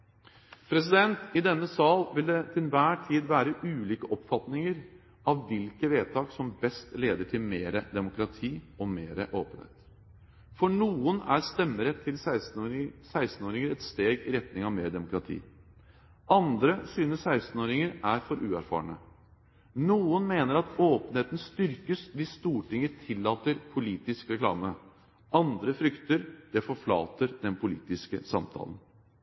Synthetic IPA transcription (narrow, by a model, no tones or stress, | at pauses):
pʰɾɛs̬ɪd̪ɛnt̪ɪd̪ɛnːəsɑːlʋɪld̪ɛt̪ʰɪlʋæːʈʰiːd̪ʋæːɾəʔʉːliːkəʔɔpfɑt̪nɪŋəɾ | ɑʋːɪlkəʋeːt̪ʰɑːksɔmbɛst̪leːd̪əʈʰɪlmeːɾəd̪ɛmʊkɾɑt̪ʰiːɔmeːɾəʔoːpənhḛːt̪ | fɔɳuːənæɾst̪ɛmːəɾɛt̪ʰːɪl | sæɪst̪n̩oːɾɪŋəɾɛt̪st̪eːɡɪɾɛt̪nɪŋɑʋmeːɾd̪ɛmʊkɾɑt̪ʰḭː | ɑnd̪ɾəsyːnəssæɪst̪n̩oːɾɪŋəɾæɾfɔɾʔʉːæɾfɑ̰ːəɳə̰ | nuːənmeːnəɾɑt̪oːpənheːt̪nst̪ʏɾkəsʋɪsst̪uːʈɪŋət̪ʰɪlːɑːt̪əɾpʰʊliːt̪ɪskɾɛklɑ̰ːmə | ʔɑnd̪ɾəfɾʏkt̪əɾd̪̥ɛfɔɾfɭɑ̰ːt̪əɾd̪ɛnpʰʊlḭːt̪ɪskə̰sɑmt̪ʰɑ̰ːlən